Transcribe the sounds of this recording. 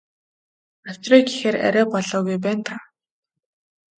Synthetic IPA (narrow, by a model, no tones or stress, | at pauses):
ḁt͡ɕrɔːjɡixeːræ̰ɾʲæːpɔɮɔːɣujp̬æːnt̪ʰa